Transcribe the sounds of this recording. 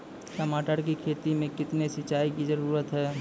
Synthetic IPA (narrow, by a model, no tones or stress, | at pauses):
kɐmaːʈəɾk̬ikʰeːt̪imẽkɪt̪nesɪt͡ʃaːikid͡ʒɐɾuːɾət̪ɦɛː